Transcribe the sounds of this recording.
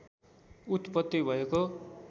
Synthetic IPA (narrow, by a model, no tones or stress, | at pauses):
ut̪pʌt̪ːibʱʌeko